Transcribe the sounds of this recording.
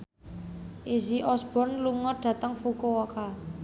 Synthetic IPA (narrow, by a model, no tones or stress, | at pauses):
ʔiziʔɔsb̥ɔ̤nluŋɔɖ̥ä̤t̪əŋfukoɔka